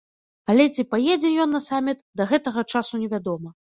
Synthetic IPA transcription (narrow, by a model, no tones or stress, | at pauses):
ɐlʲɛt͡sʲipajɛd͡zʲɛjɔnːɐsamʲit̪d̪ɐɣɛt̪ɐɣɐt͡ʂasunʲɛvʲad̪ɔmɐ